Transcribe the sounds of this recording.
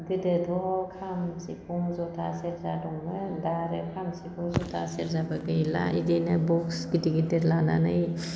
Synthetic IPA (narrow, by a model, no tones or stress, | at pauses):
ɡɯdɯdɔkʰamsikʰɔŋzɔtʰa̰seɾzadɔŋbɐdaɾekʰamsikʰɔzɔtʰa̰seɾzabaɡɯjla̰idenabɔksɡidiɡideɾlana̰nɯj